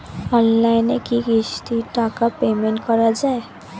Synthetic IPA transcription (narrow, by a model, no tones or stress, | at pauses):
ɔnlajnekiɡist̪iʈakapemẽɳʈkɔɾad͡ʒae